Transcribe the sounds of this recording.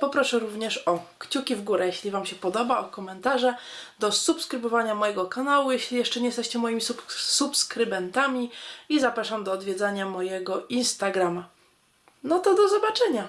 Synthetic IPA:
pɔpɾɔʂɛɾuvɲɛʂɔkt͡ɕukʲivɡuɾɛjɛɕlʲivamɕɛpɔd̪ɔbaɔkɔmɛnt̪aʐɛd̪ɔsupskɾɘbɔvaɲamɔjɛɡɔkanawujɛɕlʲijɛʂt͡ʂɛɲɛjɛst̪ɛɕt͡ɕɛmɔjimʲisusupskɾɘbɛnt̪amʲiizapɾaʂamd̪ɔːd̪vʲjɛd̪zaɲamɔjɛɡɔinst̪aɡɾama | nɔt̪ɔd̪ɔzɔbat͡ʂɛɲa

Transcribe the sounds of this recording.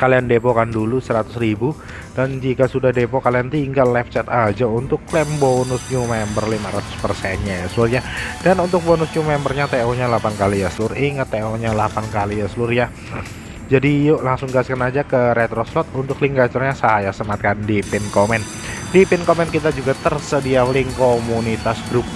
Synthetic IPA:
kaliandepokandulusəɾat̪ʊsɾibu | dand͡ʒikasudahdepokaliant̪iŋɡalːɛp̚t͡ʃɛt̪ad͡ʒaunt̪ʊklɛmbonʊsɲumɛmbərlimaɾat̪ʊ̥spərsɛnɲajasəlʊrjadanunt̪ʊk̚bonʊsɲumɛmbərɲat̪eoɲalapankalijasəlʊɾiŋət̪ːeoɲalapankalijasəlʊrja | d͡ʒadijoʔlaŋsʊŋɡaskanad͡ʒakəɾɛt̪ɾɔslɔt̪̚unt̪ʊkliŋɡat͡ʃʊrɲasajasəmat̪̚kandipɪnkomɛn | dipɪnkomɛnkit̪ad͡ʒuɡat̪ərsədialɪŋkomunit̪asɡɾup̚

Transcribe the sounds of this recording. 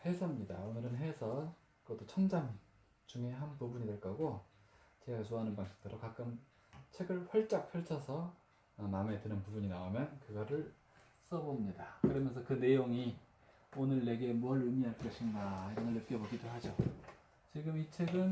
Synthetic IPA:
he̞sʰʌmɲida̰onɯɾɯnɦe̞sʰʌ | ɡʌt͈ːot͡ɕʰʌnd͡ʑam | t͡ɕuŋe̞ɦanpubuɲidwe̞ɭk͈ʌɡot͡ɕe̞ɡat͡ɕoɦanɯnpaŋɕʰi̥k̚t͈ɯɾokak͈ɯm | t͡ɕʰe̞ɡɯɭɸʌɭt͡ɕ͈ak̚pʰjʌɭt͡ɕʰʌsʰʌ | mame̞tɯnɯnpubuɲinaomjʌnkɯɡʌɾɯɭ | s͈ʌbomɲidakɯɾʌmjʌnsʰʌkɯne̞joŋi | onɯɭːe̞ɡe̞muʌɭɯmiɦaɭk͈ʌɕʰinɡaiɾʌnɯɭːep̚k͈ʌbʌɡidoɦad͡ʑo | t͡ɕiɡɯmit͡ɕʰe̞ɡɯn

